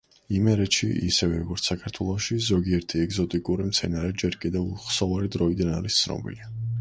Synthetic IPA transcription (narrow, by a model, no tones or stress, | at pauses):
imɛɾɛt̪ʃiḭsɛvɛɾɔɡɔɾt̪ssakʰaɾt̪ʰwɛlˠɔʃizɔɡiɛɾt̪ʰiɛɡzɔt̪ʼikʼuɾimt̪sʰɛnaɾɛd͡ʒɛɾkʼid̪ɛvχsɔvaɾid̪ɾɔid̪anaɾist̪sʰnɔ̰bḭli